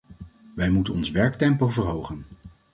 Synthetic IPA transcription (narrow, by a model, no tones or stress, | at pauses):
ʋɛjmutənɔnsʋɛɹk̚tɛmpowvəɹɦowχən